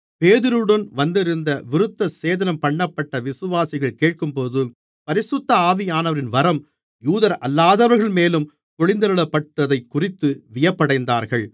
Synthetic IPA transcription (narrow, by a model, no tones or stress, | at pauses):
peːðɪɾɯɽɐnʋɐnd̪ɪɾɯnd̪ɐʋɪɾɯt̪ːɐseːðɐnɐmpɐɳːɐpːɐʈːɐʋɪsɯʋaːsɪɣɐɭkeːʈ̚kɯmpoːðɯ | pɐɾɪsʊt̪ːɐaːʋɪjaːnɐʋɐɾɪnʋɐɾɐm | juːðɐɾʔɐlːaːðɐʋɐɾɣɐɭmeːlɯm | kɔɭɪnd̪ɐɾɯɭɐpːɐʈːɐðɐɪkːʊrɪt̪ːɯʋɪjɐpːɐɽɐɪnd̪aːɾɣɐɭ